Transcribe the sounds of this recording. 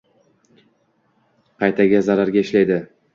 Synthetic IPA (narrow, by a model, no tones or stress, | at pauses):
qʰɑjt̪ʰaɡʲazaɾaɾɡʲaɪʃlajd̪ɪ